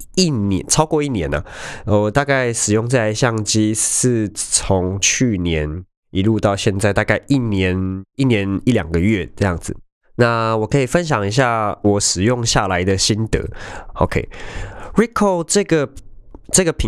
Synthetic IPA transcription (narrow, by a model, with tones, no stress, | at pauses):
i˥˩njɛ̰˧˦nt͡sʰɑ˥ʊkwɔ˥˧i˥˩njɛ˧˥nɐ̰˨ə˨˩t̪a˥˧ka˥˩ɪʂɻ̩˨˩jʊ˥˧ŋt͡sa˥˧ɪa˧ɪɕjɑ˥˩ŋt͡ɕi˥ʂɻ̩˥˩t͡sʰo˧˦ŋt͡ɕʰy˥˩njɛ˧˦n | i˧˥lu˥˧t̪ɑ˥˧ʊɕjɛ˥˧nt͡sa˥˧ɪt̪a˥˧ka˥˧ɪʔi˥˩njɛ˧˦ni˥˩njɛ˨˧˦ni˥˩ljɑ̰˨˩ŋɡə˨ɥɛ˥˨ʈ͡ʂɤ˥˧jɑ˥˩ŋd͡z̩˨˩ | na˥˨wɔ˨˩kʰɤ˧˥i˨˩fə˦nɕ̬jɑ˨˩ŋi˧˦˥ɕ̬ja˥˩wɔ˨˩˦ʂɻ̩˨˩jʊ˥˧ŋɕja˥˩la˧˦ɪd̪ə˨ɕi˦˥nt̪ə̰˧˦o˨˧ʊkʰḛ˧˦ɪɹi˦˥kʰo˥˩ʊʈ͡ʂɤ˥˧ɡə˩ʈ͡ʂɤ˥˩ɡə˨pʰi˨